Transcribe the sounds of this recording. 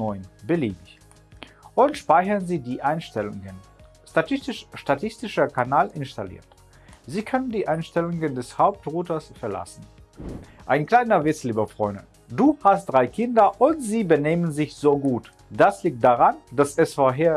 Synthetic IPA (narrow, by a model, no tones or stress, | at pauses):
nɔʏnb̥əliːbɪç | ʔʊntʃpaɪçɐnziːdiːʔaɪnʃtɛlʊ̰ŋɡən | ʃtatʰɪstɪʃʃtatʰɪstɪʃɐkʰanaːlʔɪnʃtalḭːɐt | ziːkʰœnəndiːʔaɪnʃtɛlʊŋɡəndɛshaʊp̚tʁuːtɐsfɛɐla̰sn̩ | ʔaɪnkl̥aɪnɐvɪt͡sliːbɐfʁ̥ɔ̰ʏndə̰ | duːhast̚d̥ʁaɪkʰɪndɐʔʊntz̥iːbəneːmənzɪçz̥oːɡuːt | d̥asliːk̚t̚d̥aʁand̥asɛsfoːɐɦeːɐ